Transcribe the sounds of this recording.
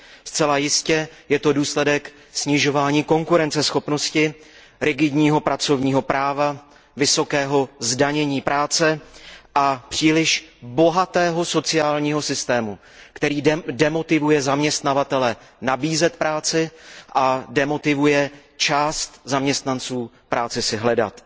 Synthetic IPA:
st͡sɛlajɪscɛjɛt̪o̞duːslɛdɛk | sɲɪʒo̞vaːɲiːko̞ŋkuɾɛnt͡sɛsxo̞pno̞scɪ | ɾʔɪɡɪdɲiːɦo̞pɾʔat͡so̞vɲiːɦo̞pɾʔaːva | vɪso̞kɛːɦo̞zdaɲɛɲiːpɾʔaːt͡sɛʔapr̝̥iːlɪʃbo̞ɦat̪ɛːɦo̞so̞t͡sɪaːlɲiːɦo̞sɪst̪ɛːmu | kt̪ɛɾiːdɛmo̞t̪ɪvujɛzamɲɛst̪navat̪ɛlɛnabiːzɛt̪pɾaːt͡sɪʔadɛmo̞t̪ɪvujɛt͡ʃaːst̪zamɲɛst̪nant͡suː | pɾaːt͡sɪsɪɦlɛda̰t̪

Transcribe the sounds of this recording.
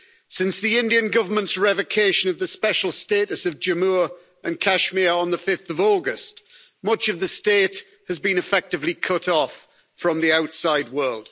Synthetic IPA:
sɪ̃nsðiɪ̃ndiə̃nɡʌvəmə̃ntsɹɛvəkʰeɪʃə̃nəvðəspɛʃəl̩ˠsteɪtəsəvd͡ʒəmuːɹ | ə̃nkʰaʃmiəə̃nðəfɪfθəvɔːɡəst | mʌt͡ʃəvðəsteɪt | həzbĩnɨfɛk̚tɨvlikʰʊtʰɔf | ɹə̃mðiaʊtsaɪd̚wɜːlˠd̥

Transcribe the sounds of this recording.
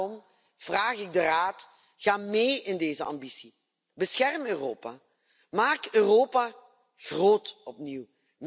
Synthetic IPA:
ɔm | v̥raːχɪɡ̚dəraːt | ɣ̥aːmejɪndeːzəʔɑ̰mbisi | bəsxɛrmøːroːpaː | maːkøːroːpaː | ɣroːtɔpniw | m

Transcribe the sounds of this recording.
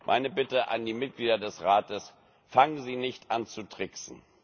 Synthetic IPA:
mʔa̰ɪnəbɪtəʔa̰ndiːmɪt̚ɡ̥liːdɐdɛsʁaːtəs | faŋənziːnɪçtʔant͡sutʁ̥ɪksn̩

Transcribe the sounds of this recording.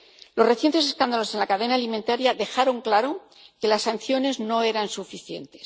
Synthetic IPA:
lo̞re̞θje̞nt̪e̞se̞skand̪alo̞se̞nlakaðe̞naːliment̪aɾjaðe̞xaɾo̞ŋklaɾo̞ | ke̞lasːanθjo̞ne̞zno̞e̞ɾansufiθje̞̰nt̪e̞̥s

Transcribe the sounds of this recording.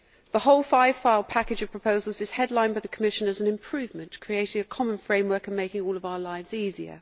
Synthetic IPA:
ðəhoʊlˠfaɪv̥faɪlˠpʰakɪd͡ʒəv̥pʰɹ̥əpʰəʊzəlˠzɪz̥hɛdlãɪ̃nbaɪðəkʰəmɪʃə̃nəzə̃nɪ̃mpʰɹ̥ʉːvmə̃nʔkʰɹ̥ieɪtɪ̃ŋəkʰɒmə̃nfɹẽɪ̃mwɜˑkə̃nmeɪkɪ̃ŋɔːləvaʊəlaɪvziːziə̰

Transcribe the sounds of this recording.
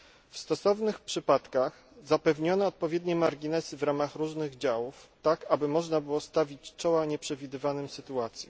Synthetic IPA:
fst̪ɔsɔvnɘxpʂɘpat̪kax | zapɛvɲɔnɛɔt̪̚pɔvʲjɛd̪ɲɛmaɾɡʲinɛsɘvɾamaxɾuʐnɘɣd͡ʑawuft̪akabɘmɔʐnabɘwɔst̪avʲit͡ɕt͡ʂɔwaɲɛpʂɛvʲid̪ɘvanɘmsɘt̪uat̪sʲjɛ̰

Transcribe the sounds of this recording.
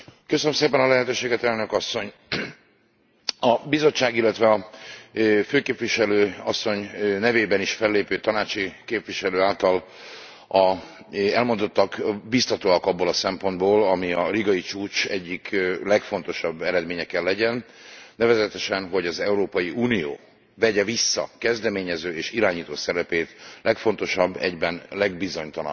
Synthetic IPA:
køsønømseːpɛnɒlɛɦɛt̪øːʃeːɡɛt̪ɛlnø̞kɒsːo̞ɲ | ɒbizo̞t͡ʃːaːɡilːɛt̪ʋɛɒ | føːkeːpvʋiʃɛløːɒsːo̞ɲnɛveːbɛniʃfɛlːeːpøːt̪ɒnaːt͡ʃikeːpʋiʃɛløːaːlt̪ɒl | ɒ | ɛlmo̞nd̪o̞t̪ːɒkbist̪ɒt̪oːɒkɒbːoːlɒsɛmpo̞nd̪boːlɒmiɒliɡɒit͡ʃuːt͡ʃɛɟːiklɛkfo̞n̪t̪o̞ʃɒbːɛɾɛd̪meːɲɛkɛlːɛɟɛnnɛvɛzɛt̪ɛʃɛnɦo̞ɟɒzɛuɾoːpɒjiuːnijo̰ː | vɛɟɛvisːɒ̰kɛzd̪ɛmeːɲɛzøːeːʃiɾaːɲiːt̪oːsɛɾɛpeːt̪lɛkfo̞nt̪o̞ʃɒbːɛ̰ɟbɛnlɛɡ̚bizo̞ɲt̪ɒlɒ̰

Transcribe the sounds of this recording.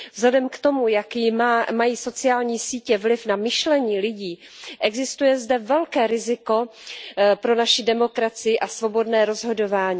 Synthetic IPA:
vzlɛdɛmkt̪o̞mujakjɪmaːmajiːso̞t͡sɪaːlɲiːsiːcɛvlɪfnamɪʃlɛɲiːlɪɟiː | ʔɛɡzɪst̪ujɛzdɛvɛlkɛːɾɪzɪko̞ | pɾo̞naʃɪdɛmo̞kɾat͡sɪjɪʔasvo̞bo̞dnɛːɾo̞zɦo̞do̞vaːɲiː

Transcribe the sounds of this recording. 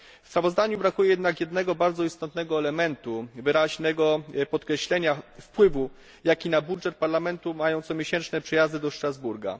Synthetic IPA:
fspɾavɔzd̪aɲubɾakujɛjɛd̪nakjɛd̪nɛɡɔbaɾd̪zɔist̪ɔt̪nɛɡɔɛlɛmɛnt̪uvɘɾaʑnɛɡɔpɔt̪kɾɛɕlɛɲafpwɘvu | jakʲinabudʐɛt̪̚paɾlamɛnt̪umajɔ̃w̃t̪sɔmʲjeɕɛnt͡ʂnɛpʂɛjazd̪ɘd̪ɔʂt̪ɾazbuɾɡa̰

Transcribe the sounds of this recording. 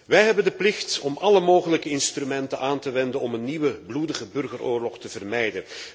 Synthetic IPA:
ʋɛjɦɛbəndəplɪxtɔmʔɑləmoːɣələkəɪnstrymɛntənʔaːntəʋɛndənɔmənːiʋəbludəɣəbɵrɣəroːrlɔχtəvərmɛjdən

